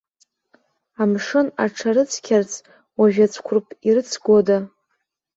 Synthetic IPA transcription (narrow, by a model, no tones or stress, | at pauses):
amʂɨna̰ʈ͡ʂʰaɾɨt͡sʰkʲʰart͡sʰ | waʒᶣat͡sʷʰkʷʰʊrpʰʼiɾɨt͡sʰɡʷoda